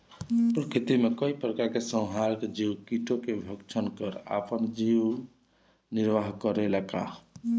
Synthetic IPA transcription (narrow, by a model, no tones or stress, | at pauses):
pɾəkɾit̪imekəipəɾkakesə̃w̃ɦaɾked͡ʒiwkiʈokebʱəkt͡ʃʰənkəɾa̰pənd͡ʒiw | niɾʋaɦkəɾelaka̰